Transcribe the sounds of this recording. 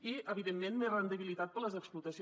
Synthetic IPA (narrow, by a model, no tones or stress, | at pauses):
iʔəβiðemːenmerənd̪əβilit̪at̪̚pələzəksplut̪əsi